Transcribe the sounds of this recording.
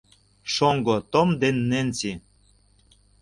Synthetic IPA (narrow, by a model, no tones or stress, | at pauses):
ʃoŋɡot̪omd̪enːent͡si